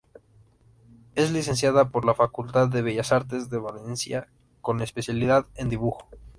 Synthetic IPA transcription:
e̞zlis̬e̞nsjaðapo̞ɾlafakult̪aðːe̞β̞e̞ʝasaɾt̪e̞zðe̞βale̞nsja | ko̞ne̞spe̞sjaliðaðe̞nd̪iβuxo̞̥

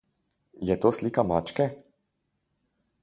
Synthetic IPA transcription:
jɛt̪osliːkamaːt͡ʃkɛ

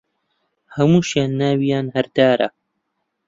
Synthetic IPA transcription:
hɐmuːʃjaːnːaːwijaːnhɐɾd̪aːɾɐ̰

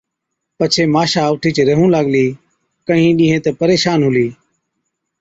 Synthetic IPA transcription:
pət͡ʃʰeːmaːʃaːʋʈʰiːt͡ʃɾəɦũːlaːɠliː | kəɦĩːɗĩːɦẽːt̪eːpəɾeːʃaːnɦʊliː

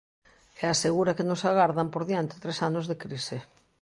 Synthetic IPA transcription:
ɛaseɣuɾakɪnʊsaɣaɾðampoɾðiant̪ɪ̥t̪ɾesanozðekɾisɪ

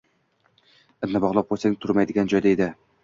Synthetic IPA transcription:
ɪnnabɒʁlˠɒp̚bolˠsant̪ʰʊɾmajd̪ɪɡʲand͡ʒɒjd̪aed̪ɪ

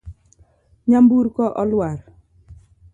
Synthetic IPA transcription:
ɲambuɾkɔʔɔlwaɾ

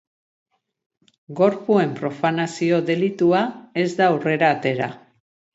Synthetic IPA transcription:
ɡo̞ɾpue̞mpɾo̞fanasio̞ðe̞lit̪uae̞zd̪awre̞ɾaːt̪e̞ɾa̰

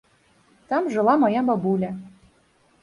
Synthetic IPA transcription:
t̪ɤ̆mʒɤ̆lˠɑmɤjɑmbɑbulʲæ

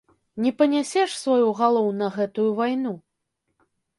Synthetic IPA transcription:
nʲɛpɐnʲasʲɛʂsvajuɣalˠɔwnɐɣɛt̪ujuvajnu

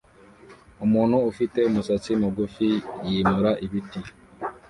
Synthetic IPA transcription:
omuːn̤huːfiteomusat͡simuɡufijiːmuɾaʔiβiti

